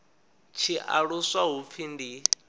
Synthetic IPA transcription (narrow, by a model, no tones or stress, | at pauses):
t͡ʃʰiʔaɺusaɦup̪fʰindi